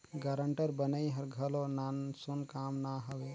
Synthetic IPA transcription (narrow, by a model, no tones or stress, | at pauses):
ɡaɾəɳʈəɾbənəiɦəɾɡʱəlonansunkamnaɦəwe